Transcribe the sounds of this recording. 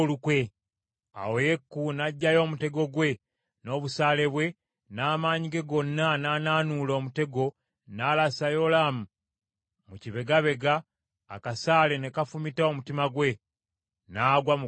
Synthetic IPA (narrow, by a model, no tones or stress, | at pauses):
lukwe̞ | a̰woje̞kːunaɟːajo̞ːmute̞ɡo̞ɡwe̞ | no̞ːβusaːle̞βwe̞ | naːmaːɲiɡe̞ɡo̞nːananaːnulo̞ːmute̞ɡo | naːlasajo̞lamu | muciβe̞ɡaβe̞ɡaː | kasaːle̞ne̞kafumitao̞mutimaɡwe̞ | naːɡwa